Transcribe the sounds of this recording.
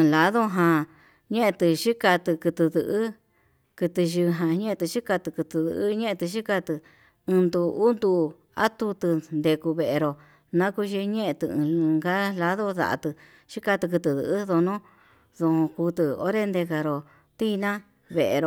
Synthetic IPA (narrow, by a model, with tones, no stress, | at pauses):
ɨ̃˧la˧ðo˦ɦã˧ | ɲẽ˦ʔẽ˧t̪ɨ˧ʃi˦ka˧t̪ɨ˧kɨ˧t̪ɨ˧ðɨ˧ʔɨ˦ | kɨ˧t̪ɨ˧ʒɨ˧ɦã˧ɲẽ˦ẽ˧t̪ɨ˧ʃi˦ka˧t̪ɨ˧kɨ˧t̪ɨ˧ðɨ̰˧ʔɲẽ˦ʔẽ˧t̪ɨ˧ʃi˦ka˧t̪ɨ˧ | ɨ̃˧nd̪u˧u˦nd̪u˧˨ | a̰˦t̪u˧t̪ɨ˧nd̪e˧ku˧βe˧ʔe˧ɾo˨ | nã˦ku˧ʒi˧ɲẽ˦ʔẽ˧t̪ɨ˧ɨ̰̃˧lɨ̃˧ŋɡa˦la˧˦ðo˦ða̰˧ʔa̰˧t̪ɨ˧ | ʃi˦ka˧t̪ɨ˧k̬ɨ˧t̪ɨ˧˨ðɨ̰˧ʔðo˧nõ˦ | ðo˧hõ˧ku˧t̪ɨ˧o̰˦ɾe˦nd̪e˧ka˧ɾo˨ | t̪i˦˧nã˦ | βe˨ʔḛ˧ɾo˧˨